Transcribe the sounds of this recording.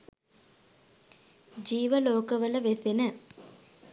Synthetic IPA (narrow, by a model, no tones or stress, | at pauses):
d͡ʒiːʋɐloːkɐʋɐlɐʋesinɐ